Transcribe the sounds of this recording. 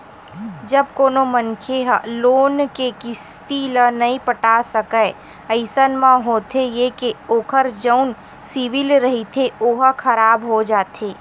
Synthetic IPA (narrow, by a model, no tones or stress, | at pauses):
d͡ʒɐb̚koːnomənkʰeɦloːnkekɪst̪ilənɐɦĩpəʈaːsəkəe | əɪsənmãɦoːt̪ʰejekeoːkʰəɾd͡ʒəʊn | siʋɪlɾɐɦit̪ʰeoːɦkʰɐɾaːbɦod͡ʒaːt̪eː